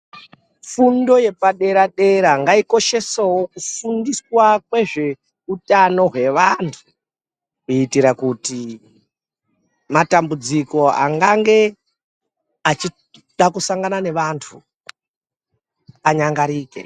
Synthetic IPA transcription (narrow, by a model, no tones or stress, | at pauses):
fundo̞je̞paɗe̞ɾaɗe̞ɾaŋɡaiko̞ʃe̞sawo̞kufundiswakwe̞ʐe̞ | utano̞ɦwe̞ʋantʰu | kuitiɾakuti | matambud͡ziko̞a̰ŋɡaŋɡe̞ | at͡ʃi | ɗakusaŋɡanane̞ʋantʰu | aɲaŋɡaɾiːkḛ